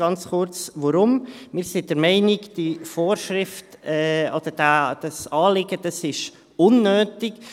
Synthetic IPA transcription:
ɑnt͡sχʊɾt͡sʋɔɾʊm | mɪːɾsid̥əɾmɛɪnɪɡd̥ifoːɾʃɾɪftɛɔd̥əɾd̥æd̥ɑsɑːlɪɡəd̥ɑsɪʃ | ʊnːøːtɪk

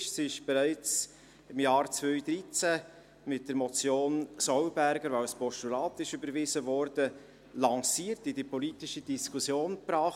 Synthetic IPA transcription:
ʃsɪʃb̥ɛɾæɪt͡s | ɪmjɑːɾt͡svœʏɥd̪ɾit͡sæ | mɪt̚d̥əɾmɔt͡sjoːnsɔwbæɾɡəɾvaʊspɔʃtulɑːt̪ɪʃʏbəɾvɪzəvɔɾd̥ə | lɑŋsiːɾtidipɔlitɪʃəd̥iskʰusjoːnpɾɑːχ

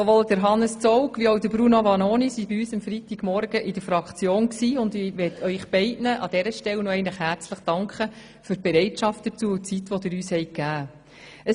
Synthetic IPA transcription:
soʋoːld̥əɾɦɑnːəst͡sɔwkʋiowdəbɾunoʋɑnoːnisibɪyːsəmfɾit̪iɡ̥mɔɾɡəʔɪdəɾfɾɑkt͡sjoːnksiːʊndɪʋɛtʰœʏχb̥ɛɪtnəʔɑdɛɾəʃtɛlnoɛɪnləχhæɾt͡sləχd̥ɑŋkχə | fyɾtb̥ɛɾɛɪtʃɑftdət͡suːʊt͡sit̪ʋɔd̥̪ɪɾyːshɛjkːæː | ə

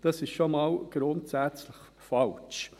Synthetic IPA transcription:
d̥ɑsɪʃʃomɑːlɡ̥ɾʊntsæt͡sləχ | fɑlt͡ʃ

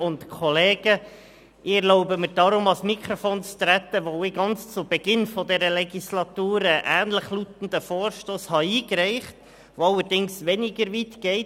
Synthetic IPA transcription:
ʊntkʰɔleːɡ̥ə | ɪɛɾlɔʊbəmɪɾd̥ɑɾʊmɑsmikʰɾofoːnt͡st̪ɾæt̪əʋoʊɪɡɑnt͡st͡sʊb̥ɛɡɪnfɔdɛɾəlɛɡislɑtuːɾəʔæːnləχlutn̩dəfoːɾʃtoːshɑiːkɾɛɪχt | ʋoɑlːəɾdɪŋsʋɛnɪɡəɾʋiːtɡ̥ɛɪt

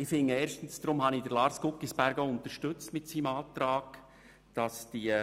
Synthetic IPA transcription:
ɪfɪŋːəeːɾʃtən̩sd̪ɾʊmhɑnidəɾlɑːɾskʊkːisb̥æɾɡəʊnt̪əʃtɵt͡stmɪtsiːmɑːt̪rɑːɡ̥ | d̥ɑsd̥iə

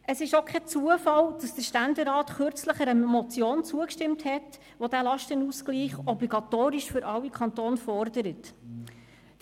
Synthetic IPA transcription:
əsɪʃokʰχɛt͡suəfɑld̥ɑsd̥əʃtændəɾɑːtχʏɾt͡sləχəɾəmɔt͡sjoːnt͡suəkʃtɪmthɛt | ʋodæːlɑʃtənuskliːχɔbliɡɑtoːɾiʃfʏɾʔɑwːikʰχɑntoːnfɔrdəɾət

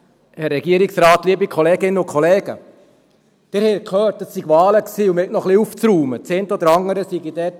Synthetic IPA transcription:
hɛrːɛɡiəɾiksɾɑːt̪liːbikʰɔleːɡɪnːəʊkʰɔleːɡ̥ə̰ | d̥ɪɾhɛkʰœːt̚d̥əsːiɡʋɑːləksiːumɛk̚nɔχliuft͡sɾuːmət͡seːntəɔd̪əɾɑŋːəɾəsiɡid̥ɛːt

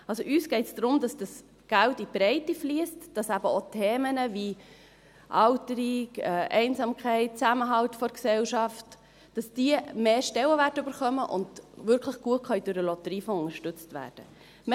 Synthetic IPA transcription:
ɑlsoʔyːsɡ̥ɛɪtsd̥ɾʊmdɑsd̥ɑs | ɡ̥æltib̥ɾɛɪtifliəstd̥ɑsæbəotʰeːmənəvi | ʔɑʊtəɾikɛʔɛɪnsɑːmkχɛɪt̚t͡sæməɦɑltfɔɾksɛlʃɑft | d̥ɑsd̥iəmeːʃtɛləvætʉbəɾχœməʔʊ̰ndvʏɾkʰləχɡ̥uət̚kʰχœʏd̥øɾəlɔtəɾiːfɔʊŋəʃtʏt͡stvæ̰ːɾd̥ə | m

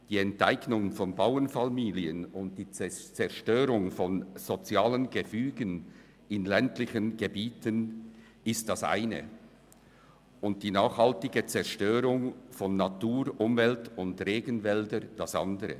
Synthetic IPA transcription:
d̥iːɛntaɪɡnʊŋfɔnbaʊənfamiːliənʊnt̚d̥iːt͡st͡sɛɐʃtøːɾʊŋfɔnz̥ot͡sjaːlənɡəfyːɡən | ɪnlɛntlɪçənɡəbiːtʰən | ɪst̚d̥ɑsʔa̰ɪnə̰ | ʊnt̚d̥iːnaːχhaltɪɡət͡sɛʁʃtøːɾʊŋfɔnːatuːɾʔʊmvɛltʊndʁeːɡənvɛldəd̥ɑsʔɑ̰ndəɾə̰

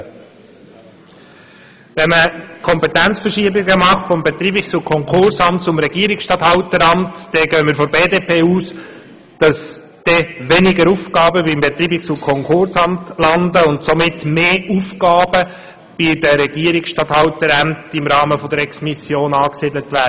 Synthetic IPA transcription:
ʋɛnməkʰɔmpɛt̪ænt͡sfəɾʃiəbɪɡəmɑχtfɔmbɛt̪ɾiːbɪksʊkʰɔŋkʰʊɾsɑmtsʊmɾɛɡ̥iəɾɪksʃtɑthɑʊtəɾɑmtd̥ɛɡœəmɪəɾfɔbeːdeːpʰeːuːs | d̥ɑs | d̥ɛʋɛnɪɡəɾuːfkɑːbəbimbɛt̪ɾiːbɪksʊkʰɔŋkʰʊɾsɑmtlɑndəʊntsɔmɪtmeːufkɑːbə | b̥idəɾɛɡiəɾɪksʃtɑthɑwtəɾæmtɪmɾɑːməfɔd̪əɾɛksmisjoːnɑːksiːd̪lətʋæə

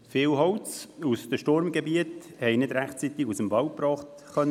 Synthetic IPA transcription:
fɪːwɦɔwt͡susd̥əʃtoɾmɡebiət | hɛɪnɪdɾæχtt͡sit̪ɪɡusəmvɑwpɾɑːχt | χœn

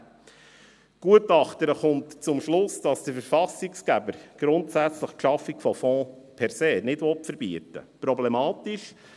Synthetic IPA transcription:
ɡ̥uətɑχtəɾəχʊntt͡sʊmʃlʊsd̥ɑsd̥əfəɾfɑsikskæbəɾɡ̥ɾʊntsæt͡sləχkʃɑfːikfɔfɔ̃ː | pʰɛɾseːnɪdʋɔtfəɾbiətə̰pɾɔblɛmɑːtiʃ

